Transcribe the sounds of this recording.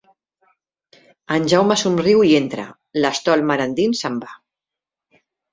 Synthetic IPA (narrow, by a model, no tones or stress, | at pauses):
ənʲʒawmasumriwient̪ɾə̰ | ləst̪ɔlmaɾand̪insəmba